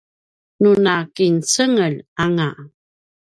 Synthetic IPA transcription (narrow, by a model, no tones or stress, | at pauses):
nunakint͡səŋəlaŋa